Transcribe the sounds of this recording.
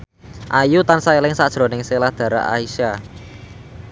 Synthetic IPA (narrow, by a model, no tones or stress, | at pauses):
ʔajut̪ansaelɪŋsad̥ʒ̥ɾɔ̤nɪŋselahd̪̥ä̤ɾa̰ʔa̰isa